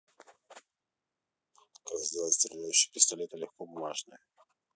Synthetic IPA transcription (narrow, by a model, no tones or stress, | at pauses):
kazd̪ast̪ɾʲɪʒajʏɕːɪ̥pʲɪst̪ɐlʲet̪əlʲɪxkobʊmaʐnɨjə